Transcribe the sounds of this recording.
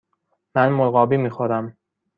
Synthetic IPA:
mænmolɣɒːbiːmiːxoɾæm

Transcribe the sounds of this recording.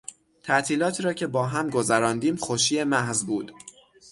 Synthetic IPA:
t̪ʰæʔt̪ʰiːlɒːt̪ʰiːɾɒːcʰe̞bɒːɦæmɡo̞zæɾɒːnd̪iːmxoʃiːemæhzbuːd̪̥

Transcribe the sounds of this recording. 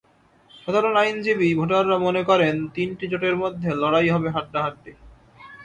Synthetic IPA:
ʃad̪ʱaɾonajnd͡ʑibibʱoʈaɾːamonekɔɾent̪inʈit͡ɕoʈeɾmod̪ʱːelɔɽajɦɔbeɦaʈːaɦaʈːi

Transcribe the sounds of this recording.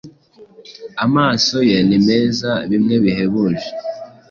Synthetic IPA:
amaːso̞jenime̞ːzaβimŋe̞βiɦe̞βuʒe

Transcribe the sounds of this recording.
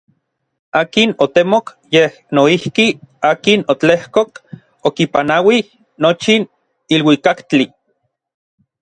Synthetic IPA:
aːkinot̪emok | jeh | noihkiaːkinot͡ɬehkok | okipanawih | not͡ʃin | ilwikakt͡ɬi

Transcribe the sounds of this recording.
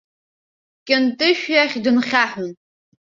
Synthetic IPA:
kʲʼɪntʼɨʃᶣjaχʲdɨnχʲaħʊn

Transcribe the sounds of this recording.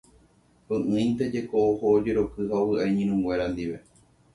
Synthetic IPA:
pɨ̃ʔɨ̃ĩnt̪e̞d͡ʒe̞koohoːd͡ʒe̞ɾo̞kɨɦaowɨajɲĩɾ̃ũŋɡʷe̞ɾand̪iʋe̞

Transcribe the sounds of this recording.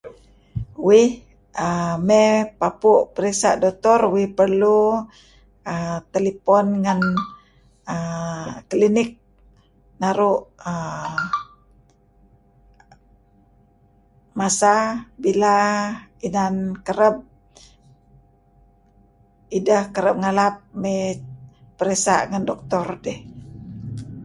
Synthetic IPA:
wɪh | əmɛpapuʔpəɾisa̰ʔdot̪ɔrwɪhpərlu | ət̪elipɔnŋan | əklinɪk̚ | naɾuʔə | masabilainankəɾəb̚ | idahkəɾəp̚ŋalap̚mɛ | pəɾesa̰ʔŋandɔk̚t̪ɔrdɛh

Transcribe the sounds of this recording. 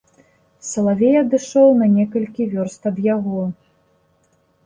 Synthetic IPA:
sɐlˠavʲɛjɐd̪ɨʂɔwnɐnʲɛkɐlʲkʲivʲɔrst̪ɐd̪jaɣɔ

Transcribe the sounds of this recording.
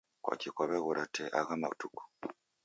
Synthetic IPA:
kwa̰cikoβeɣuɾʔatʰeʔaɣamatuku̥

